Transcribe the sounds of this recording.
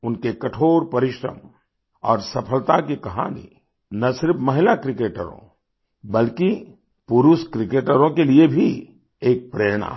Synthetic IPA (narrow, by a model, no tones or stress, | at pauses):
ʊnkekɐʈʰoːɾpɐɾɪʃɾə̰m | ɔːɾsɐpʰəlt̪akikɐɦa̰ːnḭ | nɐsɪɾpʰmɐɦɪlakɾɪkeːʈə̰ɾõ̰ | bɐlki | pʊɾuskɾɪkeːʈəɾõkeliebʱi | eːk̚pɾeːɽ̃a̰